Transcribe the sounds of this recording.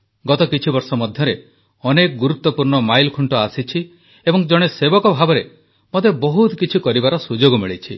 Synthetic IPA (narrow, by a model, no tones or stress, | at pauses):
ɡɔt̪ɔkit͡ʃʰibɔɾsɔmɔd̪ʱjɔɾe | ɔnekɔɡuɾut̪ːɔpuɾɳɔmajlkʰuɳʈɔasit͡ʃʰi | ebɔŋd͡ʒɔɽ̃esebɔkɔbʱabɔɾe | mod̪ebɔɦut̪kit͡ʃʰikɔɾibaɾɔsud͡ʒoɡɔmiɭit͡ʃʰḭ